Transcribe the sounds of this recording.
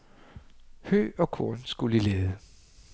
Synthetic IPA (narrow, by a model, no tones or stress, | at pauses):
hø̰ːɒ̽kʰo̰ɐnsɡ̥ulileːðˠə